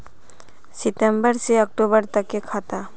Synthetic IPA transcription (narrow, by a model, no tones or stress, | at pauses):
siʈembəɾseɔk̚ʈobəɾt̪akekʰat̪a